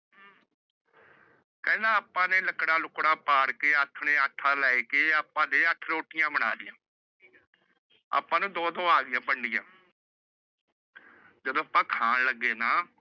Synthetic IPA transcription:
kɛ̃ːnãːaːpãːneːləkɽãːlʊkɽãːpaːɽkeːət̪ʰɳeːəʈʰːãːlɛːeːkeːaːpãːd̪eːəʈʰɾoːʈɪjãːbəɽ̃aːd̪ɪjãː | a̰ːpãːnũːd̪õːd̪õːaːɡɪjãːpəɳɖɪjã̰ː | d͡ʒəd̪õːəpãːkʰaːnləɡːeːnaː

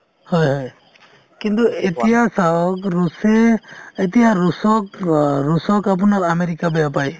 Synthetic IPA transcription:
hɔjɦɔj | kint̪ɔet̪ijasaɔkɾusɛɛt̪ijaɾusɔkɾusɔkap̬unakameɾikabɛjapaj

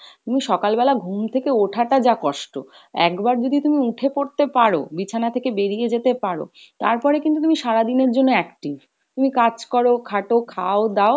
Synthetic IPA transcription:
t̪umiʃɔkalbɛlaɡʱumt̪ʰekeoʈʰaʈad͡ʑakɔʃʈo̰ | ɛ̰kbaɾd͡ʑod̪ʱit̪umiuʈʰepoɽt̪epaɾo̰bit͡ɕʰanat̪ʰekebeɾijed͡ʑet̪epaɽo̰ | t̪a̰ɾpɔɾekint̪ut̪umiʃaɾad̪ineɾd͡ʑonːoɛkʈiv | t̪umikad͡ʑkɔɾokʰaʈokʰaod̪ao

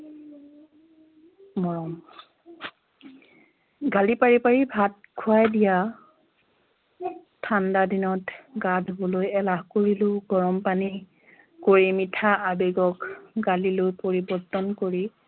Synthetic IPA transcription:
mɔɹɔm | ɡalipaɹipaɹibʱat̚kʰuajdija | tʰːandadinɔtɡadʱobɔlojɛlaɦkoɹiloɡɔɹɔmpani | koɹimitʰaʔabeɡɔkɡalilojpoɹibɔɹtɔnkoɹi

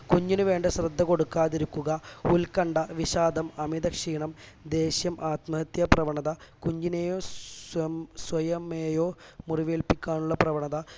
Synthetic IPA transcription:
kuɲːinuʋe̞ːɳɖɨɕrɐd̪ʱːɐko̞ɽukːaːðiɾukːuɣɐulkɐɳɖɐʋiɕaːd̪ɐmɐmid̪ɐkʂiːɳɐmd̪e̞ːɕjɐmʔaːt̪mɐɦɐt̪jɐprɐʋɐɳɐðɐkuɲːinejoː | sʋɐjɐmeːjo̞ːmuriʋeːlpikʲːaːɳuɭːɐprɐʋɐɳɐðɐ

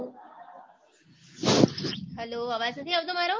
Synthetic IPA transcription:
ɦɛloɐʋasət̪ʰiaʋt̪omaɾo

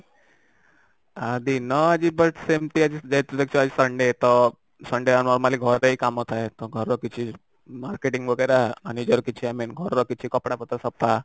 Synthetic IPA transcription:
ad̪inɔad͡ʑibəʈsemʈ̪iad͡ʑid͡ʑat̪ud̪ek̚t͡ʃuad͡ʑisəɳɖet̪ɔ | səɳɖeannɔɾmaliɡʱɔɾəikamɔt̪ʰaet̪ɔɡʱɔɾɔkit͡ɕʰi | maɾkeʈiŋɡʋəɡəɾaanid͡ʑɔɾkit͡ɕʰiaminɡʱɔɾɔkit͡ɕʰikɔpɽapət̪ɾəsɔpːa

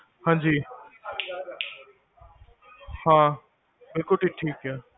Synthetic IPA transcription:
hãːd͡ʑiː | hãː | bɪlkʊʈiːʈʰiːkjaː

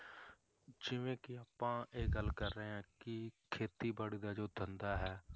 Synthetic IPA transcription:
d͡ʒɪʋẽːkɪaːpãːʔeːɡəlkəɾːəeːɦãːkɪkʰeːt̪iːbaːɽiːd̪aːd͡ʒoːd̪ʱənd̪aːɦɛː

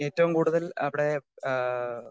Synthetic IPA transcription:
e̞ːtːɐʋumkuːɽuðɐlɐʋiɽe̞

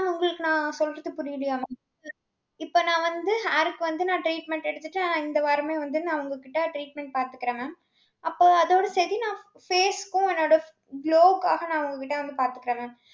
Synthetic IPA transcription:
ʊŋɡɐɭɯkːɯnãːsɔlɪɾɐðɯpʊɾɪjɪlɪjaːmɐ | ɪpːoːnãːʋɐnd̪ɯɦaːɾɯkːɯʋɐnd̪ɯnãːʈɾiːʈmɛɳʈɛɽɯt̪ːɯʈːɯnãːɪnd̪ɐʋaːɾɐmeːʋɐnd̪ɯnãːɐʋɐŋɡɐkːɪʈːɐʈɾiːʈ̚mɛɳʈ̚paːɾt̪ɯkːɪɾeːmẽː | ʔɐpːoːɐðoːɽɐsɛðinãː | feːskʊ̃ɛnːoːɽɐ | bloːɡaːɣɐnãːɐʋɐŋɡɐkːɪʈːɐʋɐnd̪ɯpaːɾt̪ɯkːɪɾeːmẽː

